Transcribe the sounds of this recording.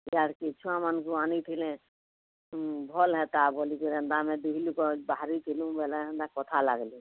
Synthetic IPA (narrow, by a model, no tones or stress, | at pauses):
jaɾkit͡ʃʰuamənɡuaːniʈ̪ʰilẽ | bʱɔlɦɛt̪abʱolikiɾẽnd̪amẽbiɦlukɔbaɦɾikilũbɛlẽɦə̃nd̪akɔt̪ʰalaɡli